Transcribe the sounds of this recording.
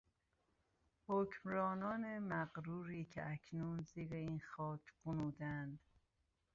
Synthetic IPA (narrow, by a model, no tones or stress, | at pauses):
hocʰmɾɒːnɒːnemæɣɾuːɾiːcʰḛʔæcʰnuːnziːɾeiːnxɒːcʰɢonuːd̪ænd̪